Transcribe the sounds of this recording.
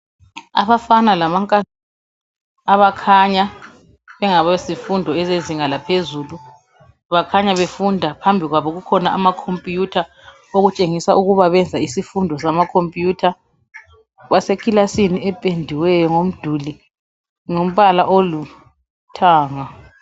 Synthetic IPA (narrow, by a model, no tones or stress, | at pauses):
a̰βafanalamaŋkʼa | aβakʰaɲa | βɛŋaβazifundʱɔɛzeziŋalapʰezulu | βakʰaɲaβefundʱapʰambʱiɣwaβɔɣukʰɔnaʔamakʰompʼijutʰa | oɣut͡ʃʼeŋisaʔuɣuβaβɛnd͡zʱaisifundʱɔsamakʰompʼjuːtʰa | βasekʰʼilasiniɛpʼendʱiwɛjɔŋom̩d̥ʱuli | ŋom̩βalaʔolu | tʰaːŋa